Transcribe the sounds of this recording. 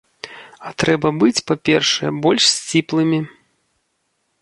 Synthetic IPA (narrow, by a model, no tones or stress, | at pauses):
ɐt̪ɾɛbɐbɨt͡sʲpapʲɛrʂɛjɛbɔlʲʂsʲt͡sʲiplˠɨmʲi